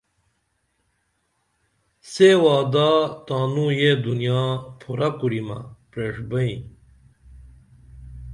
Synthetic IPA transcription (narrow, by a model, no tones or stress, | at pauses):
sewaːd̪aːt̪aːnujed̪unijaːpʰuɾakuɾimɐ̰pɾeʂbɐĩ